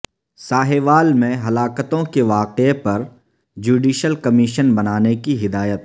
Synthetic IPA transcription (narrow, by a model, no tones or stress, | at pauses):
saːɦeʋaːlmẽɦɐlaːkət̪õkeʋaːqepɐɾ | d͡ʒuːɖiːʃəlkɐmiʃənbɐnaːnekiɦɪd̪aːjət̪̚